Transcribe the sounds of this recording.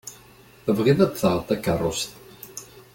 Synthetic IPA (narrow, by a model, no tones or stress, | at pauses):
əvʁiðæd̪θəʁt̪ˤækːərˤːʊst̪